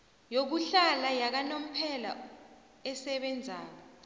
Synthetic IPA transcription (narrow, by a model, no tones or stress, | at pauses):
jok̬uɬalajak̬anom̩pʰɛla | ɛsɛɓɛnd͡zʱaːkɔ